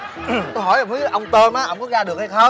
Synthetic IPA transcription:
ɦɔ˧˩ja˨˩fɨ˨˦ʔə˧wŋ͡mt̪əː˧nʔaː˨˦ʔəː˧˩ku˦˥ək̚zaː˧ɗɨ˨˩ək̚a˧jxə˧

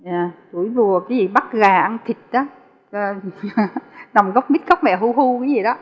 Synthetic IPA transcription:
ɲaː˨˩ku˧˩˦jvu˨˩əkaː˨˦jzi˨˩ɓa˦˥k̚ɣaː˨˩ʔa˧nt̪ʰï˨˩k̚ɗa˨˦˨ | na˨˩wŋ͡mɣɔ˦˥wk͡p̚mi˦˥t̚xə˦˥k͡p̚mɛ̰˧˨˩ɦu˧hu˧kaː˨˦zi˨˩ɗɔ˨˦

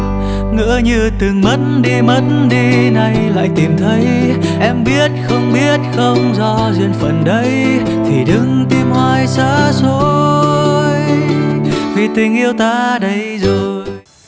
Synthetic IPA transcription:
ŋɨ̰˧˥əɲɨ˧t̪ɨ˨˩ŋmə˨˦tnɗi˧mə˨˦tnɗi˧na˨˩jla̰ː˧˨jt̪i˨˩mt̪ʰə˨˦jʔɛ˧mɓi˦˥ət̚xə˧wŋ͡mɓi˦˥ət̚xə˧wŋ͡mzɔ˧zwi˧ənfə˨˩nɗə˨˦j | t̪ʰi˨˩ɗɨ˨˦ŋt̪i˧mhwaː˧jsaː˧˥so˧˦ | j | vi˨˩t̪ï˨˩ŋ̟ʔi˧əwt̪aː˧ɗə˨˦jzo˨˩j

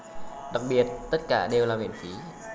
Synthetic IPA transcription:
ɗa˨˩k̚ɓi˨˩ət̚t̪ə˦˥t̚kaː˧˩ɗe˨˩wlaː˨˩mḭ˧˨˩ənfi˨˦

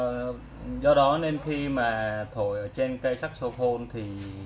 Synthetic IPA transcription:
zɔ˧ɗɔ˨˦ne˧nxi˧maː˨˩t̪ʰo˧˨jʔəː˧˩t͡ɕe˧nka˧jsa˦˥k̚so˧xʰo˧nt̪ʰi˨˩

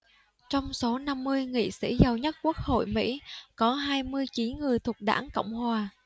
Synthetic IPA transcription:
t͡ɕɔ˧wŋ͡mso˨˦na˧mːɨ˧əjŋḭ˧˨sḭ˧˥zə˨˩wɲə˦˥t̚ku˦˥ək̚ho̰˧˨jmḭ˧˥kɔ˨˦ɦaː˧jmɨ˧əjt͡ɕi˨˦nŋɨ˨˩əjt̪ʰʊ˨˩k͡p̚ɗa̰ː˧˥ŋkə̰˧˨wŋ͡mhwaː˨˩

